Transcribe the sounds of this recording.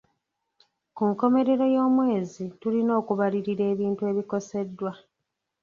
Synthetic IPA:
kuŋko̞me̞ɾe̞ɾo̞jo̞ːmwe̞ːzitulino̞ːkuβaliɾiɾe̞ːβiːntue̞ːβiko̞se̞dːwa

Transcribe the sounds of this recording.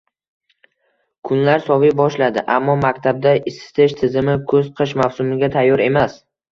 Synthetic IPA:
kʰʊnlaɾsɒvibɒʃlad̪ɪʔamːɒmakʲt̪ʰab̚d̪aɪsɪ̥t̪ʰɪʃt̪ʰɪzɪmɪkʰɵz̥qʰɨʃmawsʊmɪɡʲat̪ʰajːɒɾe̞mas

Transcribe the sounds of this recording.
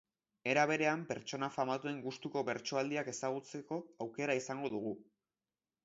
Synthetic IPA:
e̞ɾaβ̞e̞ɾe̞ampe̞ɾt͡ʃo̞nafamat̪ue̞ŋɡust̪uko̞βe̞ɾt͡ʃoald̪iake̞saɣ̞ut͡se̞ko̞awke̞ɾaisaŋɡo̞ðuɣ̞u

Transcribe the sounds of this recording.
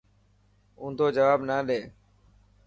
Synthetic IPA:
ʊ̃ːnd̪ʱoːd͡ʒəʋaːbnaːɗeː

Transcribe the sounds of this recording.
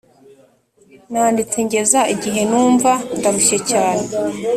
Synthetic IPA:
naːndit͡seɲɟe̞zaʔiɟiɦe̞nuːɱvandaβuʃecaːne

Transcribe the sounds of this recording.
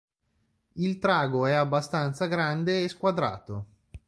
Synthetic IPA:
ilt̪ɾaːɡoɛabːast̪ant̪saɡɾand̪eːskwad̪ɾa̰ːt̪o

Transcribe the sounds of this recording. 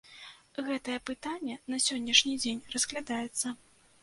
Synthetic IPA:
ɣɛt̪ɐjɛpɨt̪anʲːɛnɐsʲɔnʲːɐʂnʲid͡zʲenʲrɐzklʲad̪ajɛt̪sːɐ

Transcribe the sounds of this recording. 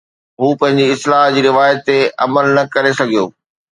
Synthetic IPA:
ɦuːpɐ̃ɦɪ̃ɲ̆d͡ʑiɪslaːɦd͡ʑiːɾɪʋaːjət̪ːeɐ̰məlnɐkɐɾesɐɡʱijo̰ː

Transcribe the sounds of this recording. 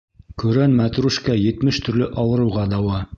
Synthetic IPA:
kʉ̆ɾænmæt̪ɾuʃkæjɘ̆t̪mɘʃt̪ɵ̆ɾlɘʔɑwɤ̆ɾɤ̆wʁɑd̪ɑwɑ

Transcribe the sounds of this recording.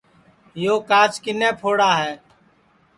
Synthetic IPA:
joːkaːt͡ʃkɪnẽːpʰoːɽaːɦɛː

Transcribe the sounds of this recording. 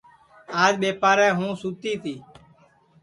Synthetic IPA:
aːd͡ʒɓeːpaːɾɛ̃ːɦũːsuːt̪iːt̪ʰiː

